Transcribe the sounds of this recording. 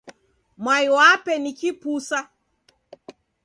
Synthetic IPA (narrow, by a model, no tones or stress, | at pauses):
mwaiwapɛnikipusa